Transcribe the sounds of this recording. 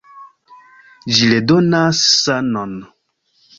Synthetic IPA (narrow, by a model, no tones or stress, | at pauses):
d͡ʒiledɔnasanɔn